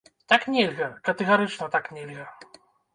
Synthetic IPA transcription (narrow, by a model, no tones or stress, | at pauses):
t̪aknʲelʲɣɐkɐt̪ɛɣaɾɨt͡ʂnɐt̪aknʲelʲɣɐ